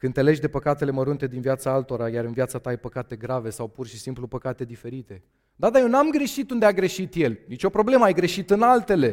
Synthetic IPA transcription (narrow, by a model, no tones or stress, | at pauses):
kɨnt̪e̞le̞ʒʲd̪e̞pəkat̪e̞le̞məɾunt̪e̞d̪invjat̪saalt̪o̞ɾajaɾɨnvijat̪sat̪aajpəkat̪e̞ɡɾave̞sawpurʃisimplupəkat̪e̞d̪ife̞ɾit̪e̞ | d̪ad̪ajewnamɡɾe̞ʃit̪und̪eaɡɾe̞ʃit̪je̞lnit͡ʃʲo̞pɾo̞ble̞məajɡɾe̞ʃit̪ɨnalt̪e̞le̞